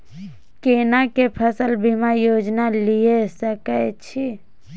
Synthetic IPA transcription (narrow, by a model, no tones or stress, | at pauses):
kenakepʰəsəlbʱimãjoːd͡ʒnaliesəkət͡ʃʰi